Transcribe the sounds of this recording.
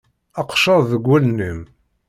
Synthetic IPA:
ɑqʃɑððəɡʷːælnəm

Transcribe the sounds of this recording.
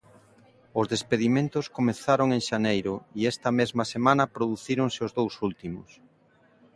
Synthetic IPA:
ʊzðespeðimẽnt̪ʊskomeθaɾoŋeŋʃanejɾʊiɛst̪ɐmezmɐsemanɐpɾoðuθiɾoŋseʊzðowsult̪imʊ̰s

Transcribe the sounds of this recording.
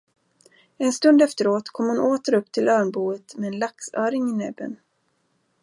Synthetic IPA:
ɛnst̪ɵnd̪ɛft̪əɾoːt̪kʰɔmhʊnoːt̪əɾɵpːt̪ʰɪlʔœːɳbuːət̪mɛːnlaksœːɾɪŋɪnɛbːə̰n

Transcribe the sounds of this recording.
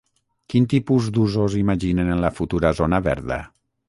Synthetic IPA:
kint̪ipuzd̪uzozimaʒinenənlafut̪uɾazonaβɛ̰ɾðə̰

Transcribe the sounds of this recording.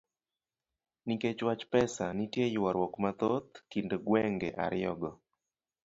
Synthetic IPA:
niket͡ʃwat͡ʃpɛsanitjejiwaɾwɔkmat̪ot̪kindoɡwɛŋɡɛ̰ʔa̰ɾɪɔɡɔ

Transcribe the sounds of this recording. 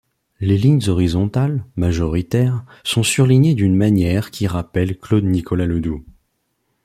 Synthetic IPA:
leliɲzɔʁizɔ̃t̪almaʒɔʁit̪ɛʁsɔ̃syʁliɲed̪ynmanjɛʁkʲʰiʁapɛlklod̪nikʰɔlaləd̪u

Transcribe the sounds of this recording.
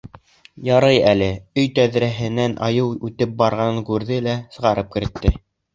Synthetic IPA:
jɑɾɤjælɘɵjt̪æðɾæɦɘ̆nænʔɑ̰jɤwʉt̪ɘp̚bɑɾʁɑŋkʉɾðɘlæsɤ̆ʁɑɾɤp̚kɘ̆ɾɘ̆t̪ːɘ

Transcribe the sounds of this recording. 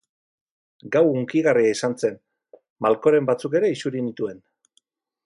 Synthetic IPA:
ɡawuŋkiɣ̞ariaisant͡se̞n | malko̞ɾe̞mbat͡suke̞ɾe̞isuɾinit̪ue̞n

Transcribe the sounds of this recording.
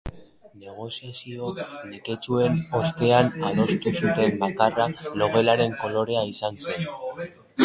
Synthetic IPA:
ne̞ɣ̞o̞siasio̞neke̞t͡ʃue̞no̞st̪e̞anaðo̞st̪usut̪e̞mbakaralo̞ɣe̞laɾe̞ŋko̞lo̞ɾe̞aisanse̞n

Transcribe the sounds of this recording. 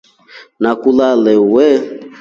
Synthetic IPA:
nakulalɛwɛ

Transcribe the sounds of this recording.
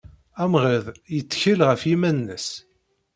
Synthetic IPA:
æmʁəðjət͡sːçəlʁəfimænːəs

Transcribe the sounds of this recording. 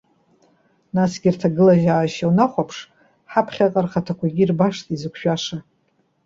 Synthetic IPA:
nasɡʲirtʰaɡɨlaʒaːʃawnaχʷapʰʂ | ħapʰχʲaqʼarχatʰakʷʰaɡʲirbaʂtʼizɨkʷʰʃᶣaʂa

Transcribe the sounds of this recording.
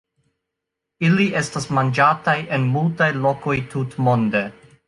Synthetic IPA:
iliʔe̞stasmand͡ʒatajʔe̞nmultajlo̞ko̞jtutmo̞nde̞

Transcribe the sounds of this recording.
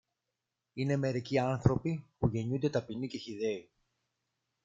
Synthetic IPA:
ine̞me̞ɾiciɐnθɾo̞pipuʝe̞ɲund̪e̞t̪ɐpinice̞çiðe̞i

